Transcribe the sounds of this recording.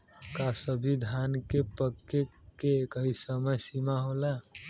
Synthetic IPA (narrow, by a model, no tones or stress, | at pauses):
kasəbʱid̪ʱankepəkːekekəɦisəməjsimaɦola